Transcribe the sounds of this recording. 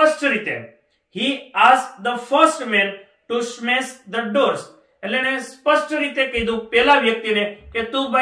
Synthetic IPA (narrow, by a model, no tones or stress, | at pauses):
əsʈɾiːt̪ḛ | hiːaːsd̪əpʰəɾsʈmẽn | ʈusmesd̪əɖoːɾs | ɛlenespəsʈɾiːt̪ekeːd̪ũpɛːlaʋjək̚t̪ineket̪ũba